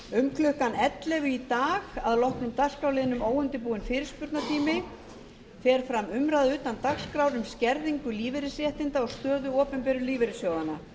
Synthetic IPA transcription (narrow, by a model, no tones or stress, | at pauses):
ʏmklʏhkanɛt̪lɛɣʏit̪aːɣaðlɔhknʏmt̪ar̥skɾawlɪːðɪnʏmoːwʏnt̪ɪpuːɪnfɪːɾɪ̥spʏɾt̪nat̪ʰiːmɪ | fɛːɾ̥fɾamʏmɾaðʏːt̪ant̪axskɾawɾʏmscɛɾðiŋkʏliːvɪɾɪsjɛht̪ɪnt̪aɔɣst̪œːðʏɔːpɛmpɛɾʏliːvɪɾɪsjoːwðanːa